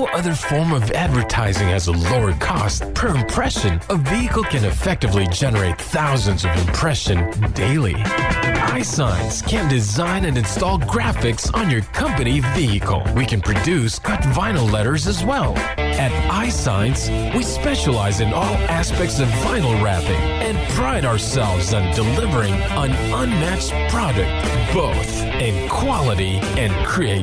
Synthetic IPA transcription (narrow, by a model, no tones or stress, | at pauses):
ʔʌðə˞fɔɹmʌvædvə˞tʰaɪzɪ̃ŋɨzəloʊə˞kʰɔst̚pʰə˞ɨ̃mpʰɹ̥ɛʃɨ̃nʌviɨkl̩ˠkʰɨ̃nɨfɛk̚tɨvlid͡ʒɛnə˞eɪt̪̚θaʊzɨ̃nzʌvɨ̰̃mpʰɹ̥ɛʃɨ̃ndeɪlˠḭʔaɪsãɪɨ̃nskʰɨ̃ndɨzãɪ̃nɨ̃nɨ̃nstɔlˠɡɹæfɨksn̩jə˞kʰʌ̃mpɨniviɨkʰl̩ˠwikɨ̃npʰɹ̥ɨdʉskʰʌtvãɪ̃nl̩ˠlɛɾə˞zɨzwɛlˠ | ɨɾaɪsãɪ̃ns | wispɛʃəlaɪzɨ̃nʔɔlˠæspɛk̚tsʌvːãɪ̃nl̩ˠɹæpɪ̰̃ŋ | ɨ̃npʰɹ̥aɪɾaə˞sɛlˠvzɨ̃ndɨlɪvə˞ɪ̃ŋ | ʌ̃nʔʌ̃nmækspʰɹ̥ɑɾɨk̚t̚b̥oʊθ | ɨ̃nkʰw̥ɑlˠəɾi | ɨ̃nkʰɹ̥ieɪ